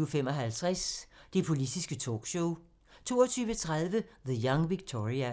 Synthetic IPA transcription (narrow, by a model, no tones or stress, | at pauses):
fem̰ɒ̽ɦælt͡sʰʁasd̥e̝pʰo̝lid̥isɡ̥ət͡sʰɔ̰ːɡ̥ɕɔʊ | t͡sʰo̝̰ːɒt͡sʰyːʋət͡sʰʁað̞ˠʋəðəjɑ̈ŋʋiɡ̥̚t͡sʰɒʁiæ